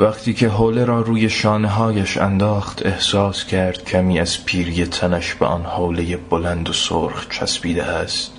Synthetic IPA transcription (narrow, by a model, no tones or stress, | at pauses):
væχt̪ʰiːcʰe̞ɦoːle̞ɾɒːɾuːje̞ʃɒːneɦɒːjæʃæ̰nd̪ɒːχt̪ʰe̞hsɒːscʰæɾd̪̥cʲʰæmiːæz̥pʰiːɾjet̪ʰænæʃbḛʔɒ̰ːnhoːle̞jebolænd̪osoɾχt͡ʃʰæ̰sbiːd̪ḛʔæst̪